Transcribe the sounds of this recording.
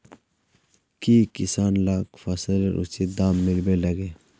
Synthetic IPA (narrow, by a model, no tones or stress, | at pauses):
kiːkisaːnlaːkfɐsəleɾʔṵsed̪aːmːɪlbelɐɡeː